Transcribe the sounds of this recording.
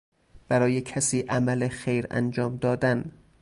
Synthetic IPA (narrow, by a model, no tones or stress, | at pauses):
b̥æɾɒːjekʰæsiːʔæmælexejɾæ̰nd͡ʒɒːmd̪ɒːd̪æn